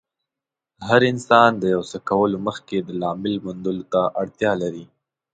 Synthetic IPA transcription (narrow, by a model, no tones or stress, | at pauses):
ɦaɾɪnsɑnd̪əjawsəkawəloməxked̪əlɑmɪlmʊnd̪ʊlot̪aʔaɽt̪jɑlaɾi